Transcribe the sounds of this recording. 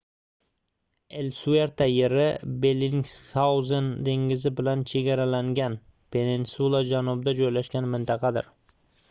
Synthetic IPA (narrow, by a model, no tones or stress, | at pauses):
elsueɾt̪ʰajeɾɪbeliŋsawzend̪e̞ŋɪzɪbɪlant͡ʃʰe̞ɡʲaɾalaŋɡʲan | pʰe̞ninsulˠad͡ʒanʊb̚d̪ad͡ʒojlaʃkʲanmɪnt̪ʰɑqʰɑd̪ɪ̰ɾ